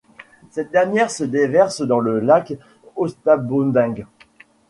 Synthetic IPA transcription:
sɛt̪̚d̪ɛʁnjɛʁsəd̪evɛʁsd̪ɑ̃ləlak | ɔst̪abond̪ɛ̃ɡ

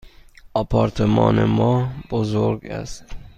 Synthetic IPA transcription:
ɒpʰɒɾt̪ʰemɒ̰ːnḛmɒb̥ozoɾɡæ̰st̪

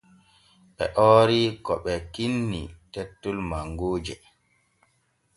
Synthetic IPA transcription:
ɓɛ̰ʔɔːɾikɔɓɛkinːḭtetːulmaŋɡoːd͡ʒɛ

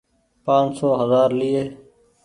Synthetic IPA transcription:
pãːnsoːɦəzaːɾliːeː

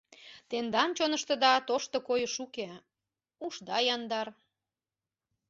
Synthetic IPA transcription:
t̪end̪ɑnt͡ɕonəʃt̪əd̪ɑt̪oʃt̪okojəʃuke | uʃd̪ɑjɑnd̪ɑr

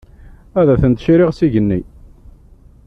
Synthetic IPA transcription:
æðæθənt̪ʃɾɪʁsiʝənːi

